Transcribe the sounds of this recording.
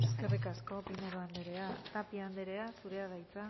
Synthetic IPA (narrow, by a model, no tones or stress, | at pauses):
eske̞rikasko̞pineɾoand̪eɾe̞at̪apiand̪eɾe̞asuɾe̞að̞ajt͡sa